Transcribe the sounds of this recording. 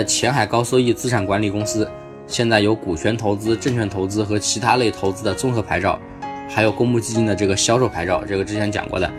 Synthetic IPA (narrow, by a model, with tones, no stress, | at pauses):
t͡ɕʰjɛ˧˥nxa˨˩ɪkɑ˥ʊswɔ˥˧i˥˩t͡sɹ̩˥ʈ͡ʂʰa˨˩nkwa˧˥nli˨˩kʊ˥ŋsɹ̩˥ | ɕjɛ˥˧nt͡sa˥˩ɪjo˧˥ʊku˨˩t͡ɕʰɥɛ˧˥nt̪ʰo˧˥ʊt͡sɹ̩˥ʈ͡ʂɤ˥˧ŋt͡ɕʰɥɛ˥˩nt̪ʰo˧˥ʊt͡sɹ̩˥xɤ˧˥t͡ɕʰi˧˥t̪ʰa˥le˥˩ɪt̪ʰo˧˥ʊt͡sɹ̩˥d̪ə˨t͡sʊ˥˧ŋxɤ˧˥pʰa˧˥ɪʈ͡ʂɑ˥˩ʊ | xa˧˥ɪjo˨˩ʊkʊ˥ŋmu˥˩t͡ɕi˥˧t͡ɕi˥nd̪ə˩ʈ͡ʂɤ˥˩ɡə˩ɕjɑ˥ʊʂo˥˩ʊpʰa˧˥ɪʈ͡ʂɑ˥˧ʊʈ͡ʂɤ˥˩ɡə˩ʈ͡ʂɻ̩˥t͡ɕʰjɛ˧˥nt͡ɕjɑ̰˨˩ŋkwɔ̰˥˩d̪ə̰˩